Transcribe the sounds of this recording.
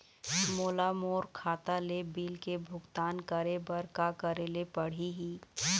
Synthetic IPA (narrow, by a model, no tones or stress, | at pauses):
moːlamoːɾkʰaːt̪alebiːlkebʱʊɡt̪aːnkəɾebɐɾkakɐɾeːlepɐɽ̤iɦiː